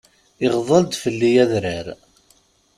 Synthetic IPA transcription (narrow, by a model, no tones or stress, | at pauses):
ɪʁðˤəld̪fəlːijæðɾəɾ